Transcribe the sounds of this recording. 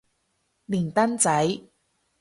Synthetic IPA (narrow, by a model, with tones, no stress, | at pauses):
li˨˩nt̪ɐ˥nt͡sɐ˨˥j